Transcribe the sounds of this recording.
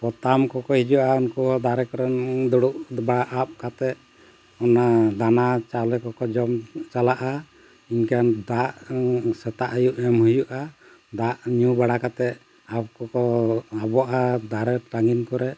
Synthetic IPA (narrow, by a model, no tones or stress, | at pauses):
pɔt̪amkɔkɔhid͡ʒuʔaunkɔɔd̪aɾɛkɔɾɛnd̪ɔɽuʔbaɽaʔap̚kat̪ɛʔ̪̚ | ɔnad̪anat͡ʃalɛkɔkɔd͡ʒɔmt͡ʃalaʔa | iɲkand̪aʔsɛt̪aʔjuʔɛmhujuʔa | d̪aʔɲubaɽakat̪ɛʔ | ap̚kɔkɔabɔʔad̪aɾɛʈaŋɡinkɔɾɛʔ